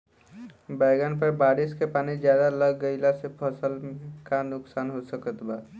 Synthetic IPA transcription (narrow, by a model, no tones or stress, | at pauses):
baɪɡanpəɾbaːɾɪskepaːnid͡ʒjaːd̪aləɡːəɪlasepʰəsəlkanʊksaːnɦosəkət̪baː